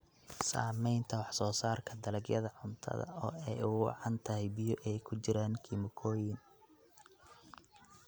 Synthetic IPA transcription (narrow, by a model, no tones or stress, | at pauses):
sa̰ːmɛjnt̪ʰɐwɑħsɔːsaːrkʰɐd̪ɐlɐɡjɐðɐʕʊnt̪ʰɐ̰ðɐ̰ʔɔːɛjuːwɑ̰ʕɑnt̪ʰɐɦɛjbɪjɔʔɛjkʰʊt͡ʃɪɾaːnkʰimʊkʰɔːjɪn